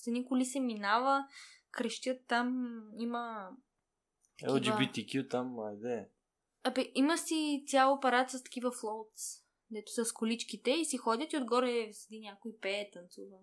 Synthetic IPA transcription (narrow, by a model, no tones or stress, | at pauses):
sɛnikʊlisɛminavəkɾɛʃt̪ʲjət̪ːamimə | ɛ̰lˠid͡ʒibit̪ikʲjut̪amːaɛd̪ɛ | ɐbɛʔiməsit̪sʲalˠopɐɾat̪səst̪ɐ̥kivɐflˠɔwt̪s | d̪ɛt̪ʊ̥sɐskʊlit͡ʃkit̪ɛisixɔd̪ʲət̪iod̪ɡɔɾɛsɛd̪inʲjakʊipɛːt̪ɐnt̪suvə